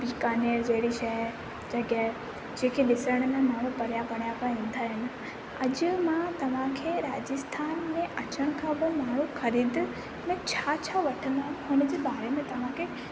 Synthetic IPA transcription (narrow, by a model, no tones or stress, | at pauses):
bikaːneːɾd͡ʑɐɦɪɽiʃɐj | d͡ʑɐɡa | d͡ʑẽːkʰeɗɪsəɽ̃mẽmaːɽ̤̃ũpɐɽ̤ijapɐɽ̤̃ijapaʋĩːn̆d̪aːɦɪnɪ̆ | ɐd͡ʑʊmãt̪ɐʋ̤ãkʰeːɾaːd͡ʑəst̪ʰaːnmẽʔɐt͡ɕəɽ̃ʊkʰãbɪmaːɽ̤̃ũxɐɾiːd̪ | mẽt͡ɕʰaːt͡ɕʰaːʋɐʈʰə̃nd̪aɦʊnəd͡ʑeːɓaːɾemẽt̪ɐʋ̤ãkʰe